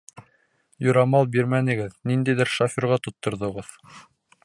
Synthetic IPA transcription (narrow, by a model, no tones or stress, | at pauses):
jŏɾɑmɑlˠbiɾmænɘ̆ɡɘðnind̪æjðɘɾʃafʲiɾʁɑt̪ŏt̪ːŏɾðŏʁɤð